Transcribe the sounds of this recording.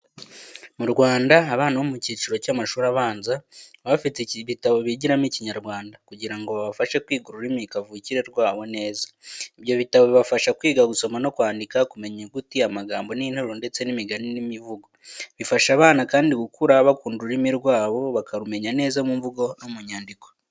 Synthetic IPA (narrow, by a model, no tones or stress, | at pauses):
muɾɡwaːndaːβaːnaβomuciːt͡ʃiɾo̞camaʃuːɾaβaːnzaβafiteβitaβo̞βiɟiɾamiciɲaɾɡwaːndakuɟiɾaŋɡo̞βaβafaʃekwiːɡuɾuɾimikavuciɾeɾɡwaːβo̞ne̞ːzaiβjo̞βitaβoβiβafaʃakwiːɡaɡuso̞mano̞kwaːndikakume̞ɲeɡutiamaɡaːmbo̞niːn̥hoɾonde̞t͡se̞nimiɡaninimivuɡoβifaʃaβaːnakaːndiɡukuɾaβakuːnduɾimiɾɡwaːβo̞βakaɾume̞ɲane̞ːzamuɱvuɡo̞nomuɲaːndiko̞̥